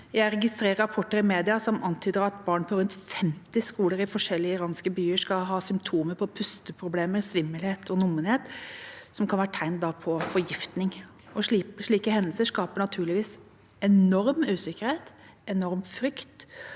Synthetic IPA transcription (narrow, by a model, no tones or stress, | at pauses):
jæɪɾɛɡɪst̪ɾeːɾəɾɑpʰɔʈːəɾɪmeːd̪ɪɑsɔmʔɑnt̪ʰyːd̪əɾɑt̪bɑːɳpʰɔɾʉnt̪fɛmt̪ɪskuːləɾɪfɔʂɛlːɪəɪɾɑːnskəbyːəʂkɑɦɑːsʏmt̪ʰuːməpʰɔpʰʉst̪əpʰɾʊbleːməɾsʋɪmːəlheːt̪ʰɔnʊmːənheːt̪sɔmkʰɑnʋæːɾəʈ̪ʰæɪnd̪ɑpʰɔfɔɾjɪft̪nɪŋ | ɔʂiʂɭiːkəhɛnəlsəʂkɑːpəɳɑt̪ʰʉːɭɪʋiːs | ɛnɔɾmʉːsɪkəɾheɪt̪ | ɛnɔɾmfɾʏkt̪